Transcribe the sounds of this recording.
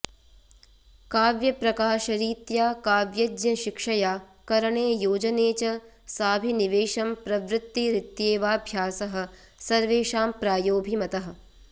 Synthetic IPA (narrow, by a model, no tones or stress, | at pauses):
kaːʋjɐpɾɐkaːʃɐɾiːt̪jaːkaːʋjɐd͡ʒjɐʃikʂɐjaː | kɐɾɐɳeːjoːd͡ʒɐneːt͡ʃɐ | saːbʱiniʋeːʃɐmpɾɐʋɾɪt̪ːiɾɪt̪jeːʋaːbʱjaːsɐɦɐ̆ | sɐɾʋeːʃaːmpɾaːjoːbʱimɐt̪ɐɦɐ̆